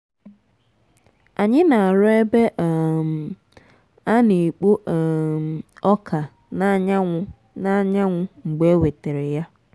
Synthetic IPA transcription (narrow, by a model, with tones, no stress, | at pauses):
a˨ɲɪ˦na˨a˨ɾɔ˦e˦be˦ʔm˨ | a˦ni˨k͡po˦˨ | ɔ˦kʰa˨ | na˦ɲ˦ | na˦ɲa˦ŋʷʊ˦ŋ͡m̩˨ɡ͡be˦we˨te˨ɾe˨ja˦